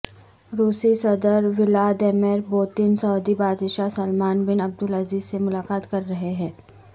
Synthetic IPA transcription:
ɾuːsisɐd̪əɾʋɪlaːd̪ɛːmɛːɾboːt̪ɪnsɔːd̪ibaːd̪ʃasɐlmaːnbɪnɐb̚d̪ʊlɐziːzsemʊlaːkaːt̪kɐɾːɐɦeɦɛ̃ː

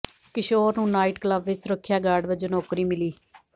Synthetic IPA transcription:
kɪʃoːɾnũːnaːiʈkləbʋɪsɾəkʰːjaːɡaːɖʋəd͡ʒonɔːkɾiːmɪliː

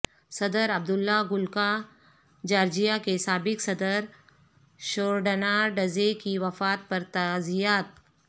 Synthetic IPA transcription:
sɐd̪əɾɐb̚d̪ʊlːaɡʊlka | d͡ʒaːɾd͡ʒijakesaːbɪksɐd̪əɾ | ʃoːɾɖənaɖɐzekiʋɐfaːt̪̚pɐɾt̪azijaːt̪̚

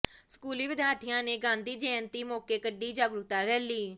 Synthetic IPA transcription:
skuːliːʋɪd̪jaːt̪ʰijãːneːɡãːnd̪iːd͡ʒeːənt̪iːmoːkeːkəɖːiːd͡ʒaːɡɾut̪aːɾɛːlːiː

